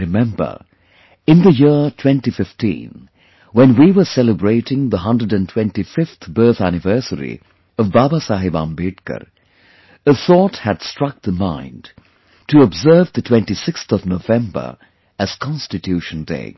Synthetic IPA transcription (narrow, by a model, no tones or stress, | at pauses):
ɾɨmɛ̃mbə̰˞ | ɨ̃nðəjɪɹtʰw̥ɛ̃ntifɪftḭ̃n | wɛ̃nwiwə˞sɛləbɹeɪɾɪ̃ŋðəɦʌ̃ndədɨ̃ntʰw̥ɛ̃ntifɪft̪bɜ˞θænɪvɜ˞səɾḭ | ʌvbabasaɦɪbã̰ːmbɪʈkə̰ɾ | əθɔthɨd̥stɹ̥ʌk̚ðəmãɪ̃nd | tɨəbzɜ˞vðɨtʰw̥ɛ̃ntisɪkst̪ʌvnovɛ̃mbə̰˞ | ɨz̥kʰɑ̃nstɨtʰjʉʃə̃ndḛɪ